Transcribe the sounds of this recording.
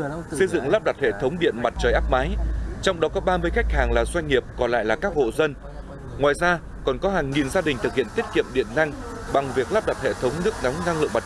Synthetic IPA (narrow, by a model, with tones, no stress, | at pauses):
sə˧jzɨ̰˧˨ŋlaː˦˥p̚ɗa˨˩t̚hḛ˧˨t̪ʰə˨˦wŋ͡mɗḭ˧˨ənma˨˩t̚t͡ɕəː˨˩jʔaː˦˥p̚maː˨˦jt͡ɕɔ˧wŋ͡mɗɔ˨˦kɔ˨˦ɓaː˧mɨ˧əjxa˦˥jk̟̚haː˨˩ŋlaː˨˩zwa˧jŋ̟ːi˨˩əp̚kɔ˨˩nla̰ː˧˨jlaː˨˩kaː˦˥k̚ho̰˧˨zə˧n | ŋwaː˨˩jzaː˧ | kɔ˨˩nkɔ˨˦ɦaː˨˩ŋːi˨˩nzaː˧ɗï˨˩ŋ̟t̪ɨ˨k̚hḭ˧˨ənt̪i˦˥ət̚kḭ˧˨əmɗḭ˧˨ənna˧ŋ | ɓa˨˩ŋvi˨˩ək̚laː˦˥p̚ɗa˨˩t̚hḛ˧˨t̪ʰə˨˦wŋ͡mnɨ˦˥ək̚nɔ˨˦wŋ͡mna˧ŋlɨ̰˧˨əŋma˨˩